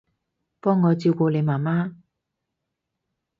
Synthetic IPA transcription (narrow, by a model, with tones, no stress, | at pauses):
pɔː˥ŋːɔː˨˧t͡siː˧wkʷɔː˧le˨˧jmaː˨˩maː˥